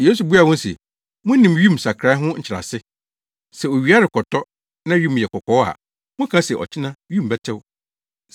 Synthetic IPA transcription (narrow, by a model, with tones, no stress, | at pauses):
jeː˦su˨bu˦a˨wɔ̃˦n˦sɛ̰˨ | mʊ̃˦nĩ˨mɥĩ˦˨msa˨kʰɾa˦ɦʊ̃˦ɲ̩˨˦t͡ɕʰɪ˨ɾa̰˨sɪ˦ | sɛ˨o˨ɥi˨˦a˦ɾɪ˨kʰɔ˨tʰɔ˦ | nã˦ɥĩ˦m̃˨jɛ˨kʰɔ˨kʰɔ˨˦a̰˨ | mʊ̃˦kʰã˦sɛ˨ʔɔ̰˨t͡ɕʰɪ˦nã˦ɥĩ˦m˨bɛ˦tʰɪ˦w